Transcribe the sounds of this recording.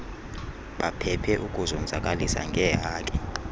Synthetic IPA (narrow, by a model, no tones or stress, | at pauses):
ɓapʰɛpʰɛʔukʼuzɔnd͡zʱakʼalisa̰ŋɡʱɛɦaːkʼɛ